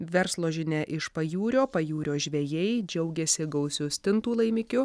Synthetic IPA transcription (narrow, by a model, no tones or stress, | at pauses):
ʋʲɛɾslˠoːʒʲɪnʲɛʔɪʃpɐjuːɾʲoːpɐjuːɾʲoːʒʲʋʲejɛjd͡ʒʲɛʊɡʲɛsʲɪɡɐʊsʲʊsʲt̪ʲɪnt̪uːlˠɐɪmʲɪkʲʊ